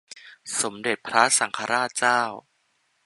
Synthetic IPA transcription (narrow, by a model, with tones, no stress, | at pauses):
so˩˦mde˨˩t̪̚pʰɾa˦˥sa˩˦ŋkʰa˧ɾaː˥˩t̪̚t͡ɕaː˥˩w